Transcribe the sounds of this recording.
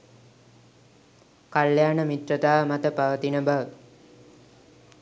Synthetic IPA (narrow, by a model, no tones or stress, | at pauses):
kaljaːnəmit̪rət̪aːmat̪əpaʋət̪inəbaʋə